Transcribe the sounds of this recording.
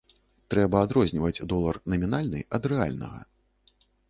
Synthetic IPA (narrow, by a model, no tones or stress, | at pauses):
t̪ɾɛbɐad̪ɾɔzʲnʲivɐd͡zʲd̪ɔlˠɐrnɐmʲinalʲnɨ̰ʔɐd̪ɾɛa̰lʲnɐ̰ɣɐ̰